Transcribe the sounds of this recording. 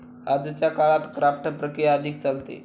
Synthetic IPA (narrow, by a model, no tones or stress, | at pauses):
ad͡zət͡ɕjakaɭat̪kɾafʈpɾəkɾijaəd̪ʱik̚t͡salt̪ḛ